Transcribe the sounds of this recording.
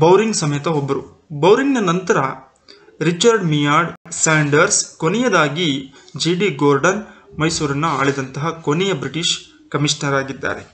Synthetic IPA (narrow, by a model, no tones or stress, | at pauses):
bɐwɾiŋɡsɐmɐjɐt̪ɐobːɐɾu | bɐwɾiŋɡnɐnɐnt̪ɐɾɐ | ɾit͡ʃɐɾɖmijaːɾɖsaːɳɖɐɾskonɛjɐd̪aːɡi | d͡ʒiːɖiɡoːɾɖɐnmɐjsuːɾɐnːuaːɭid̪ɐnt̪ɐɦɐkonɛjɐbɾiʈiʂ | kɐmiʂnɐɾaːɡid̪ːa̰ːɾe̞